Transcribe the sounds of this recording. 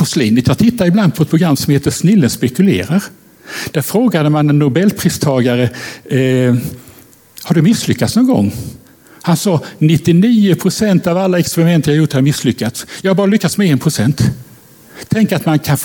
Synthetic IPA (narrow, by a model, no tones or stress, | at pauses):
ɔsliːnvɪt̪ʰɑːʈ̪ʰɪt̪ːaɪbland̪̚pʰɔɛt̪̚pʰɾʊɡɾamːsɔmheːt̪əsnɪlːənspɛkɵlḛːɾaɾ | d̪̥æɾfɾoːɡad̪əmanɛnːʊbɛlːpʰɾiːst̪ʰɑːɡaɾə | haɖɵmɪsːlʏkːat̪snɔnɡɔ̰ŋː | hansɑːnɪt̪ːɪniːʊpʰɾʊsɛnt̪avalːaɛkspɛɾɪmɛnt̪əjɑhaɾjʊʈːhaɾmɪsːlʏkːat̪sjɑhabɑːɾalʏkːat̪smɛɛːnpʰɾʊsɛnt̪ʰ | ɛŋkəat̪mankʰanf